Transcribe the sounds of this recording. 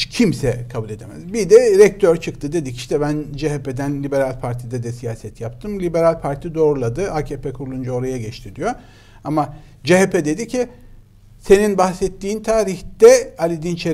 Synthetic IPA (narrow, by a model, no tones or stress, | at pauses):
cʰimsɛkʰabulʲe̞d̪emɛ̰zbid̪ɛɾɛc̚t̪ʰøɾt͡ʃʰɯkt̪ʰɯd̪e̞d̪ici̥ʃt̪ʰɛbænd͡ʒeɦeped̪ænlʲibe̞ɾalʲpʰaɾt̪ʰid̪ɛd̪ɛsijaːsɛt̪ʰjapt̪ʰɯmlʲibe̞ɾalʲpʰaɾt̪ʰid̪o̞ːɾulˠad̪ɯʔaːcʰeːpɛkʰuɾlˠund͡ʒao̞ɾajaɟɛt͡ʃt̪ʰiɾd̪ijo | ama | d͡ʒeɦepʰed̪e̞d̪icʰi | se̞ninbaxsɛt̪ːiːnt̪ʰaːɾiçd̪̥ɛalʲid̪int͡ʃʰe